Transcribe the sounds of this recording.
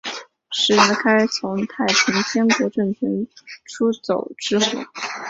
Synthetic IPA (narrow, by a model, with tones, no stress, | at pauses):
ʂɻ̩˨˩a˧˥kʰa˥ɪt͡sʰʊ˧˥ŋt̪ʰa˥˩ɪpʰi˧˥ŋt͡ɕ̪ʰjɛ˥nkwɔ˧˥ʈ͡ʂɤ˥˩ŋt͡ɕʰi˧˥nʈ͡ʂʰu˥t͡so˨˩ʊʈ͡ʂɻ̩˥xṵ˨˩˦